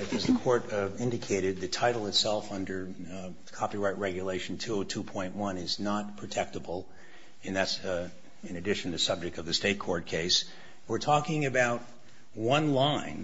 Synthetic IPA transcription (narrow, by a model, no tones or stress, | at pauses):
ɨzðɨkʰɔɹɾɪ̃ndɨkʰeɪɾɨd̪̚ðɨtʰaɪɾl̩ˠɨtsɛlˠfʌ̃ndə˞ | kʰɑpiɹaɪʔ̚ɹɛɡjɨleɪʃn̩tʰuotʰupʰɔ̃ɪ̃nʔwʌ̃nɪznət̚pʰɹ̥ɨtʰɛk̚təbl̩ˠ | ɨ̃nðæts | ɨ̃nɨdɪʃn̩ɨsʌb̚d͡ʒɨk̚tʌvðɨsteɪt̚kʰɔɹt̚kʰeɪs | wɨɹtʰɔkɪ̃ŋɨbaʊt̚ | wʌ̃nlãɪ̃n